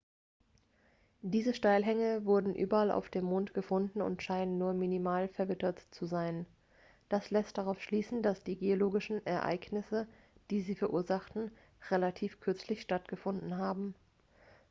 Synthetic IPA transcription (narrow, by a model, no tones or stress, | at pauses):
d̥iːzəʃtaɪlɦɛŋəvʊɐdn̩ʔy̰ːbɐalʔa̰ʊfd̥eːmːoːntɡ̥əfʊndn̩ʊ̰ntʃaɪnənːuːɐminimaːlfɛɐvɪtɐtt͡suzaɪn | d̥aslɛst̚d̥aʁaʊfʃliːsn̩d̥asd̥iːɡeoloːɡɪʃn̩ʔɛɐʔa̰ɪɡnɪsə | d̥iːziːfɛɐʔuːɐzaχtn̩ | ʁelatʰiːfkʰʏɐt͡slɪçʃtatɡ̥əfʊndn̩ɦaːbm̩